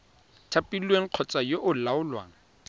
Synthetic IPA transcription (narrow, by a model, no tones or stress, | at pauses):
tʰapʼilweŋ̩q͡χʰɔt͡sʼajoʔʊlaʊlwa̰ːŋ̩